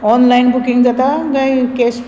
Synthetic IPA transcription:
ɔnlajnbukiŋɡd͡zʌt̪aɡajkes

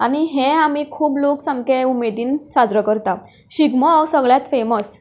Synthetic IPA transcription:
añiɦeamiːkʰuːbloksãŋkeumed̪iːnsad͡zɾəkəɾt̪a | ɕiɡməawsəɡɭjat̪feməs

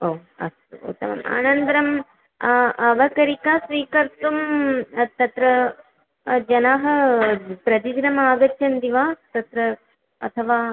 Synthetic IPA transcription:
oːɐ̰st̪ṵt̪ːɐmɐ̰ma̰ːnɐnt̪ɾɐm | ɐʋɐkɐɾikaːsʋiːkɐɾt̪umt̪ɐt̪ɾɐ | d͡ʒɐnaːɦɐ̆pɾɐd͡ʒ̪iɡɾɐmaːɡɐtːɐnd̪iʋaːt̪ɐt̪ɾɐ | ɐ̰t̪ʰɐʋaː

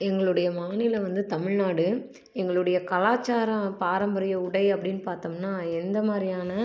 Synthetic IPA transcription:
ɛŋɡɐɭɯɽɐjɐmaːnɪlɐʋɐnd̪ɯt̪ɐmɪɻnaːɽɯ | ɛŋɡɐɭɯɽɐjɐkɐlaːt͡ʃːaːɾɐ̃paːɾɐmbɐɾɪjɐʊɽɐɪɐpːɐɽɪnːɯpaːɾt̪omnaːɛnd̪ɐmaːd̪ɾɪjaːnɐ

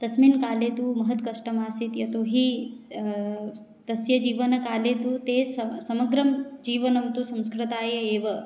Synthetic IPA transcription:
t̪ɐsminkaːleːt̪umɐɦɐt̪kɐʂʈɐmaːsit̪jɐt̪oːɦi | t̪ɐsjɐd͡ʒiːʋɐnɐkaːleːt̪ut̪eːsɐsɐmɐɡɾɐmd͡ʒiːʋɐnɐmt̪usɐ̃mskɾɨt̪aːjɐeːʋɐ

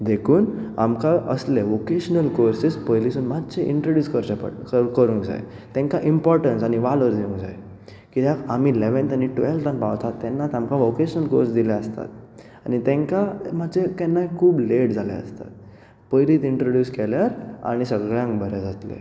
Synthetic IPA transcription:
d̪ekʰuːna̰mkaʔəsleʋokeɕənəlkoɾsispəjlisuːnmad̪d͡ʑeʔḭɳʈɾoɖjuːskəɾt͡ɕepə̰kəɾũːŋkd͡za̰j̰ | t̪ɛ̃ŋkaʔimpɔɾʈənsaɽ̃iʋalʋəɾd̪eũŋɡd͡za̰je | kit̪akam̤ileʋənt̪aniʈelt̪ãnpaʋt̪at̪ːɛnːat̪amkaʋokeɕənəlko̰ɾsd̪ilaəst̪a̰t̪ | añit̪ɛ̃ŋkam̤add͡ʑekɛnːaɦkʰuːbleʈd͡zʱalɛ̰ə̰st̪a̰t̪̚ | pəjliːt̪iɳʈɾoɖjuːskɛljaɾa̰ɽ̃isəɡɭjãŋkbʱəɾɛd͡zat̪lḛ

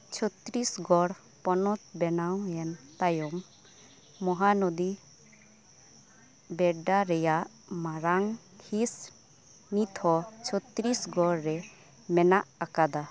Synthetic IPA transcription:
t͡ʃʰɔt̪ɾisɡɔɾ | pɔnɔt̪̚bɛnawɛnt̪ajɔmː | ɔɦanɔd̪i | bɛɖaɾɛjaʔ | maɾaŋ | kʰis | nit̪ʰɔt͡ʃʰɔt̪ɾisɡɔɾːɛ | mɛnaʔakad̪a

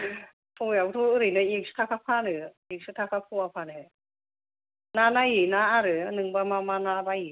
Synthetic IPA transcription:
pʰujat̪ʰuɯɾinɯiksɨ̥t̪ʰakʰapʰanɯ | ik̚sɯt̪ʰakʰapʰuapʰanɯ | nanajinaaɾɯnɯŋbamamanabaji

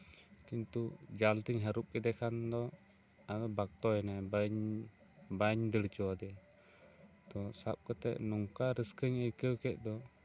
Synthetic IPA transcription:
kint̪ud͡ʒalt̪iɲɦaɾup̚kɛd̪ɛkʰand̪ɔ | ad̪ɔbak̚t̪ɔɛnɛbɲ | baɲd̪əɽt͡ʃɔwad̪ɛ | t̪ɔsap̚kɛt̪ɛ̰ʔnɔŋkaɾiskəɲəjkəwkɛʔ̪̚ˀd̪ɔ

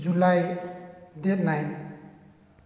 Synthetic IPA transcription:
d͡ʒulaj | det̚najn

